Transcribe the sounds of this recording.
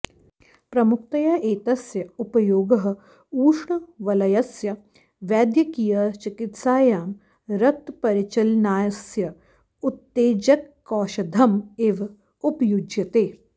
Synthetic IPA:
pɾɐmʊk̚t̪ɐjɐʔeːt̪ɐsjɐupɐjoːɡɐɦɐ̆ | uːʃɳɐʋɐlɐjɐsjɐ | ʋjaːd̪jɐkijɐt͡ʃɪkɪt̪saːjaːm | ɾɐt̪pɐɾɪt͡ʃɐlnaːjɐsjɐ | ut̪ːeːd͡ʒɐkːɔːʃɐd̪ʱɐmeːʋɐ | ʊpɐjud͡ʒjɐt̪eː

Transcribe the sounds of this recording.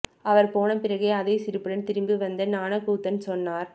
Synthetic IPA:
ɐʋɐɾpoːɳɐmpɪɾɐɣeːɐðɐɪsɪɾɯpːɯɽɐnt̪ɪɾɯmbɯʋɐnd̪ɐnaːnɐkuːt̪ːɐnsɔnːaːɾ

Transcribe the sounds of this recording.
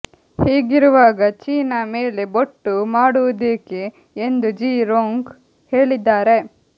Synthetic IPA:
heːɡiɾuʋaːɡɐt͡ʃiːnɐme̞ːleboʈːumaːɽuʋud̪eːkeː | nd̪ud͡ʒiːɾoːŋɡ | he̞ːɭid̪ːaːɾe̞

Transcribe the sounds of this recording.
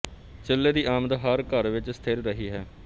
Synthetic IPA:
t͡ʃɪlːeːd̪iːʔaːməd̪ɦəɾkəɾʋɪt͡ʃst̪ʰeːɾɾəɦiːɦɛː

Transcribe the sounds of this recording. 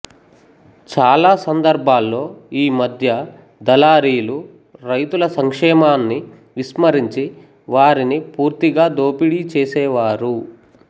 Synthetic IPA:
t͡ʃaːlaːsɐnd̪ɐɾbʱaːlːo̞ːiːmɐd̪ʱjɐ | d̪ɐlaːɾiːlu | ɾɐjt̪ulɐsɐŋkʂɛːmaːnːi | ʋiʃmɐɾiɲt͡ʃi | ʋaːɾinipuːɾt̪iɡaːd̪oːpiɽit͡ʃeːsɛːʋaːɾu

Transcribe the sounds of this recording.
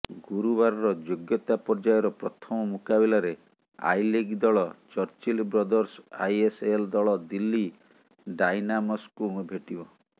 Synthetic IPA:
ɡuɾubaɾɔɾɔd͡ʒoɡjɔt̪apɔɾd͡ʒajɔɾɔpɾɔt̪ʰɔmɔmukabilaɾe | a̰jleɡd̪ɔɭɔt͡ʃɔɾt͡ʃilbɾɔd̪ɔɾsajeseld̪ɔɭɔd̪ilːi | ɖajnamɔskumbʱeʈibɔ

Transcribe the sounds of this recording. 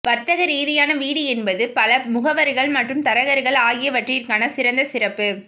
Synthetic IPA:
pɐɾt̪ɐɣɐɾiːðɪjaːnɐʋiːɽɯɛnbɐðɯpɐlɐmʊɣɐʋɐɾɣɐɭmɐʈrɯmt̪ɐɾɐɣɐɾɣɐɭaːjɪjɐʋɐʈriːɾkaːnɐsɪɾɐnd̪ɐsɪɾɐpːɯ

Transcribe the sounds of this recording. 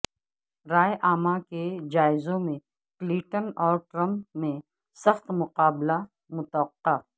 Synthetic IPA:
ɾaːeʔaːmaked͡ʒaːɪzõmẽ | klĩːʈənɔːɾʈɾə̃mpːẽ | sɐxt̪mʊqaːbla | mʊt̪wəqːa

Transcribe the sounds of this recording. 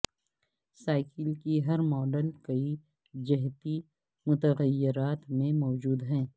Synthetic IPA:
saːɪkəlkiɦɐɾmɔːɖəlkɐi | d͡ʒɐɦt̪i | mʊt̪əɣəjːɪɾaːt̪mẽmɔːd͡ʒuːd̪ɦɛ̃ː

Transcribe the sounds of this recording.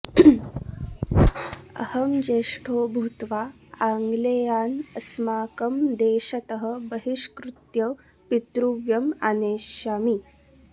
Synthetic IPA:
ə̰həmd͡ʑeʂʈʰoːbʱut̪ʋa | aŋɡlejaːnɐsmaːkəmd̪eːɕɐt̪əɦə̆bəɦiʂkɾut̪jɐ | pit̪ɾuʋjɐmaneːɕjaːmi

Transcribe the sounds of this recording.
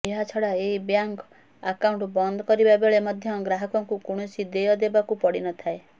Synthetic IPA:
eɦat͡ʃʰɔɽaeibjaŋk | akawɳʈbɔnd̪ɔkɔɾibabeɭemɔd̪ʱjɔɡɾaɦɔkɔŋkukuɽ̃usid̪ejɔd̪ebakupɔɽinɔt̪ʰae

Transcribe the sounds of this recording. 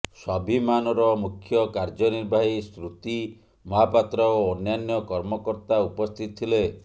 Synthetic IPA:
sɔbimanɔɾɔmukʰjɔkaɾd͡ʒɔniɾbʱaɦist̪ɾut̪i | mɔɦapat̪ɾɔoɔnjanjɔkɔɾmɔkɔɾt̪aupɔst̪ʰit̪ɔt̪ʰile

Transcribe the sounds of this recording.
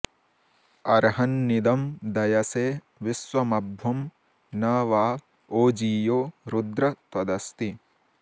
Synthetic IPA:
ɐɾɦɐnːid̪ɐmd̪ɐjɐseː | ʋisʋɐmɐbʱʋɐm | naːʋaː | oːd͡ʒiːjoːɾud̪ɾɐt̪ʋɐd̪ɐst̪i

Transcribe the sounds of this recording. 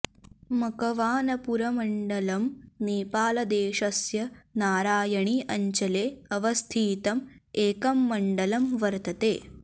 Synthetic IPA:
mɐkɐʋaːnɐpuɾɐmɐɳɖɐlɐmniːpaːlɐd̪eːʃɐsjɐnaːɾaːjɐɳiʔɐɲt͡ʃɐleːɐʋɐst̪ʰiːt̪ɐmeːkɐmːɐɳɖɐlɐmʋɐɾt̪ɐt̪eː

